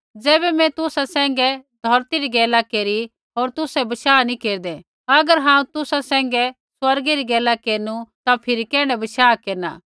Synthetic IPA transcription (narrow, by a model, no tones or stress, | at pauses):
d͡zɛːbɛmɛ̃t̪ʊsasɛ̃ːŋ̆ɡɛd̪ʱɔɾt̪iɾiɡɛːlakeːɾi | ɦoːɾt̪ʊsɛbɐʃaːnikeːɾd̪e | ɐɡəɾɦãːũt̪ʊsasɛ̃ːŋɡɛ | swɐɾɡiɾiɡɛːlakeːɾnut̪apʰɪɾikɛːɽ̃ɛbɐʃaːkeːɾna̰ː